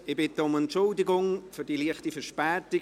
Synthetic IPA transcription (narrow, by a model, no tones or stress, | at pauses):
ɪbɪtəʊmɛntʃʊldɪɡʊŋfʏɾdiliəχtifəʃpɛːtɪ